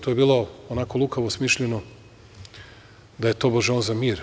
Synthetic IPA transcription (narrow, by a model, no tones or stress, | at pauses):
t̪ojebiːlˠo̞onako̞lˠukaʋosmiʃʎeno | d̪aje̞t̪o̞boʒeonzamiːɾ